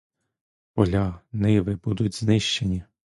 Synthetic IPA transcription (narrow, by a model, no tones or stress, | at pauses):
pɔlʲɑnɪʋɪbud̪ʊtʲznɪʃt͡ʃenʲi